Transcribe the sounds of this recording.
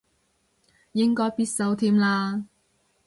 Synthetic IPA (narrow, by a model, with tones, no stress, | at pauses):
jɪ˥ŋkɔː˥jpiː˥t̚sɐ˨˧wt̪ʰiː˥mlaː˧